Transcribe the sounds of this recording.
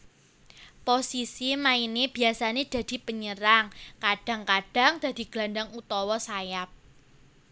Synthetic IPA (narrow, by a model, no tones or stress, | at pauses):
posisimaineb̥i̤asaned̪̥ä̤d̪̥i̤pəɲəɾaŋkaɖ̥ä̤ŋkaɖ̥a̤ŋd̥a̤d̪̥i̤ɡ̥la̤ndaŋut̪ɔwɔsajap̚